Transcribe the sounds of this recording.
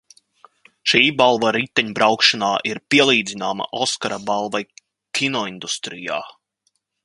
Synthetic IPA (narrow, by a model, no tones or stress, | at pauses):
ʃiːbalˠvaɾit̪ːɛɲbɾawkʃanaːʔiɾpiɛlˠiːd̪zinaːma̰ʔɔskaɾabalˠvaj | kʰʲinɔind̪ust̪ɾija̰ː